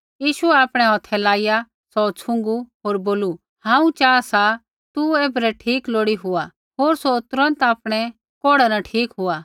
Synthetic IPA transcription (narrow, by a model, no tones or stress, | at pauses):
jiːʃuɛaːpɽ̃ɛ̃ɦɔt̪ʰɛlaːɪja | sɔt͡sʰʊ̃ŋ̆ɡuɦoːɾboːlu | hãːũt͡ʃaːasa | t̪ueːbɾɛʈʰiːkloːɽiɦʊa | ɦoːɾsot̪ɾə̃nt̪aːpɽ̃ɛ | koːɽanaʈʰiːkɦʊaː